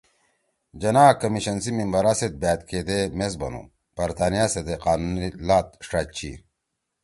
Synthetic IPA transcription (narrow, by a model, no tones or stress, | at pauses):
d͡ʑɐnaːkɐmiɕɐnsimimbɐɾaːset̪̚bæːt̪keːd̪emes̬bɐ̰nṵ | b̥ɐɾt̪ʰaːnijased̪eqaːnunilaːt̪̚ʂʈaːt͡ɕʰḭ